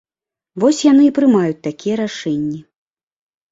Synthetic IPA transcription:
vɔsʲjanɨipɾɨmajut͡sʲt̪akʲijɐɾaʂɛnʲːi

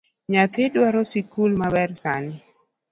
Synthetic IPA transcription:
ɲat̪edwaɾɔsikulmabɛrsanɪ

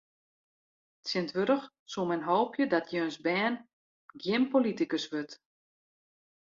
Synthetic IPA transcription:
tsjɪntʋøɾəx | sumɛnɦoːpʰjədɔtʰjøːnsbɛːn | ɡjɪmpolitikəsʋøt

